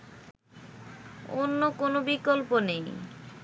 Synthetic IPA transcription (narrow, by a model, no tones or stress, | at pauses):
onːokonobikolponej